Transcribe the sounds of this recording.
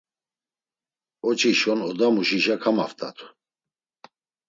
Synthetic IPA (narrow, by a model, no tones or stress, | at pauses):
ɔt͡ʃʰiʃɔnɔd̪amuʃiʃakʰamaft̪ʼa̰t̪ʰu̥